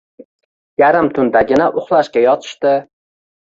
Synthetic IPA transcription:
jaɾɪmt̪ʰʊnd̪aɡʲɪnaʔʊχlˠaʃkʲajɒt̪ʰɪ̥ʃt̪ɪ

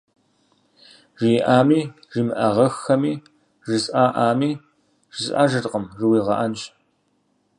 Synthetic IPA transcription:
ʐijʔaːmiː | ʒimɨʔɐʁɐxːɐmiː | ʒɨsʼʔaːʔaːmiː | ʒ̥ɨsʼʔa̰ːʒɨtqəmrɨwiːʁɐʔɐnt͡ʃʼ

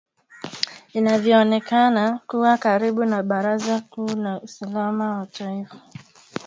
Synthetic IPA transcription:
inavjɔːnɛkanakuwakaɾiɓunaɓaɾazakuːnausalamawatʰaifḁ

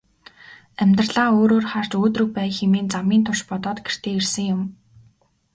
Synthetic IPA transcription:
æmʲt̪rɮaːoːɾoːrχar̥t͡ɕoːt̪rɵ̆k̚pæːxemiːnt͡samiːnt̪ʰʊʃpɔt̪ɔːt̪ɡer̥t̪eːersɘ̆ŋjʊm

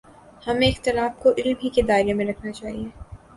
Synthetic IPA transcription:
hɐmẽɪxt̪ɪlaːfkoʔɪlmɦiked̪aːɪɾemẽɾɐkʰnat͡ʃaːɦieː

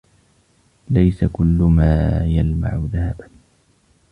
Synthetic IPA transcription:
lajsakʊlːʊmaːjalma̰ʕʊðahaban

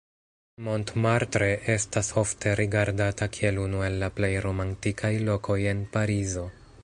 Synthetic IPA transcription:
mo̞ntmaɾtɾe̞ʔe̞staso̞ftʰe̞ɾʔiɡaɾdatakʰie̞lunue̞lːaple̞jɾo̞mantikʰajlo̞ko̞je̞npaɾizo̞

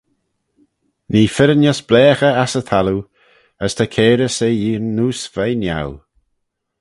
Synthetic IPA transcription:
niːfɪɾənjɔsb̥lɛːxəasəθʰalu | əst̪ʰakʰɛːɾəsejiːɹnːuːsv̥ajnja̰w

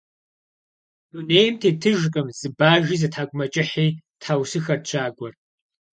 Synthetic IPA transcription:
d̥uneːjmtʰeːtʰɨʒkʼɨmz̥ɨbaːʒiːzɐtʰaːɡʷʊmɐt͡ʃʼɪħiːtʰaːwsɨxɐrt͡ɕʷʰaːɡʷɔr

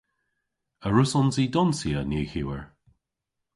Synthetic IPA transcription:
əɹʊsɔnziːdɔnsiəneːçiwəɹ

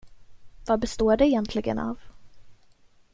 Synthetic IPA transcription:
vabɛst̪oːɖɛɛjɛnt̪ʰlɪɡə̰na̰ːv

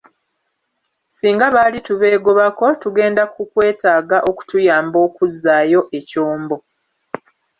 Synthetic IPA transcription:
siːŋɡaβaːlituβe̞ːɡo̞βako̞tuɡe̞ːndakukwe̞ːtaːɡaʔoku̥tujaːmbo̞ːkuzːaːjo̞ʔe̞coːmbo̞

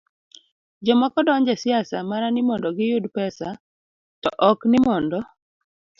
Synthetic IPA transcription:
d͡ʒɔmɔkɔdɔɲd͡ʒɛsɪasamaɾanɪmɔndɔɡɪjʊdpɛsa | tɔʔɔknɪmɔndɔ

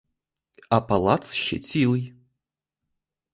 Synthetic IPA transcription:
ɐpalˠat̪sɕːɪ̰tʲilˠɨj

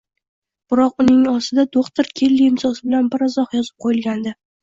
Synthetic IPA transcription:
b̥ɪɾɒqʊnɪŋɒsɪd̪ad̪oχt̪ɪɾkʲʰelːiɪmsɒsɪbɪlanbɪɾazɒhjɒzɪ̥p̚qʰojɪlɡʲand̪ɪ

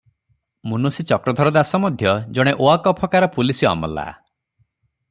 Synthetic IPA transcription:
munusit͡ʃɔkɾɔd̪ʱɔɾɔd̪asɔmɔd̪ʱjɔd͡ʒɔɽ̃eʔoakɔpʰɔkaɾɔpulisiɔ̰mɔ̰la̰

